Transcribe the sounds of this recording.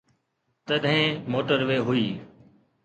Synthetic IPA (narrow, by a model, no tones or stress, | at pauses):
t̪əɗʱɦẽːmoːʈəɾʋeːɦʊiː